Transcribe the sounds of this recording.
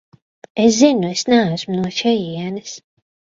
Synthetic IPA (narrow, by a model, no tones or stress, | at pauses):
es̬zinuesnæːsmunuɔʃɛjiɛnɨs